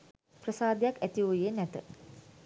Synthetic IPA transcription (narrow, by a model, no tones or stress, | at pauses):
prəsaːd̪ejakæt̪iujenɛt̪ə